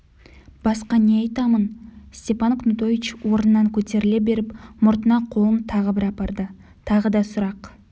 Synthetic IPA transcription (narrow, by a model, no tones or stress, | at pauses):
b̥ɑsqɑne̞ɑjt̪ɑmənst̪ʲe̞pɑnqʰmɪt̪ojɪt͡ʃwoɾənːɑŋkʲʰɵt̪e̞ɾɪle̞be̞ɾɪpmʊɾt̪ənɑqʰo̞lˠəmt̪ʰɑʁəbɪɾɑpɑɾd̪ə | t̪ʰɑʁəd̪ɑsʊɾɑq